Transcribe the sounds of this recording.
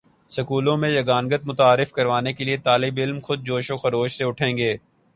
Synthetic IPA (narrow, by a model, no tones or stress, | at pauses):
sɐkuːlõmẽjɐɡaːnɡət̪̚mʊt̪aːɾɪfkɐɾʋaːnekeliet̪aːlɪbɪlmxʊd̪̚d͡ʒoːʃõxɐɾoːʃseʊʈʰẽːŋɡeː